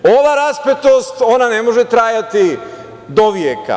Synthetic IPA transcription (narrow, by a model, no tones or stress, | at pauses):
o̞ʋaɾaspet̪o̞st̪o̞nanemo̞ʒet̪ɾajat̪i | d̪oʋjeka̰